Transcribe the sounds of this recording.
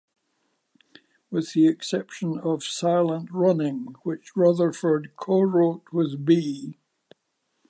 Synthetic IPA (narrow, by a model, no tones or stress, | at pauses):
wɪð̥iɪksɛpʃə̃nəv̥saɪlˠə̃nʔɹʌnɪ̃ŋwɪt͡ʃɹʌðə˞fə˞d̚kʰoɹoʔwʌzbi